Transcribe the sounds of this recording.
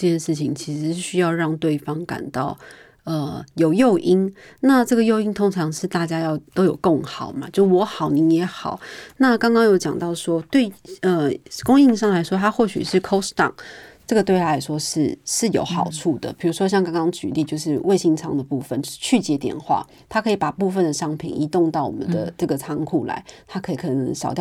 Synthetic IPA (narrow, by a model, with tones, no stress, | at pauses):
ə˥˧t͡ɕjɛ˥˧nʂɻ̩˥˩t͡ɕʰi˨˩ŋt͡ɕʰi˧˥ʂɻ̩˧˥˩ɕy˥jɑ˥˧ʊɻɑ˥˧ŋt̪we˥˩ɪfɑ˥ŋka̰˨˩nt̪ɑ˥˩ʊ | ə˨jo˨˩ʊjo˥˧ʊʔi˥nna˥˧ʈ͡ʂɤ˥˩ɡə˩jo˥˧ʊi˥nt̪ʰʊ˥ŋʈ͡ʂʰɑ˧˥ŋʂɻ̩˥˧t̪a˥˩t͡ɕja˥jɑ˥˩ʊt̪o˥ʊjo˨˩ʊkɤ˥˩ŋxɑ˨˩ʊma˨˦t͡ɕjo˥˧ʊʂwɔ˧˥xɑ˨˩ʊni˧˥njɛ˧˥xɑ̰˨˩˦ʊna˥˧kɑ˥ŋkɑ˥ŋjo˧˥ʊt͡ɕjɑ̰˨˩ŋt̪ɑ˥˩ʊʂwɔ˥t̪we˥˩ɪə˧kʊ˥ŋi˥˧ŋʂ̬ɑ˥˩ŋla˧˥ɪʂwɔ˥t̪ʰa˥xwɔ˥˩ɕy̰˨˩ʂɻ̩˥˩kʰo˥ʊst̪ɑ̰˨˩ŋʈ͡ʂɤ˥˩ɡə˩we˥˩ɪt̪ʰa˥jɛ˨˩ʂwɔ˥ʂɻ̩˥˩ʂɻ̩˥˩jo̰˧˥ʊxɑ˨˩ʊʈ͡ʂʰu˥˩d̪ə̰˩pʰi˨˩ɻu˧˥ʂwɔ˥ɕ̬jɑ˥˧ŋkɑ˥ŋkɑ˥ŋt͡ɕy̰˨˩li˥˧t͡ɕjo˥˧ʊʂɻ̩˥˧we˥˧ɪɕi˥˩ŋʈ͡ʂʰɑ̰˧˥ŋd̪ə˨pu˥˩fə˥˨nt͡ɕʰy˥˩t͡ɕjɛ˧˥t̪jɛ̰˨˩nxwa̰˥˩ | t̪ʰa˥kʰɤ˧˥i˨˧˥pa˨˩pu˥˧fə˥˩nd̪ə˩ʂɑ˥ŋpʰḭ˨˩ni˧˥t̪ʊ˥˧ŋt̪ɑ˥˩ʊwɔ̰˨mə̰˦nd̪ə˧ʈ͡ʂɤ˥˩ɡə˩t͡sʰɑ˧˥ŋkʰu˨˩la̰˧˦ɪt̪ʰa˥kʰɤ˧˥i˨˩kʰɤ˧˩nə˧˦˥ŋʂɑ˨˩ʊt̪jɑ˥˩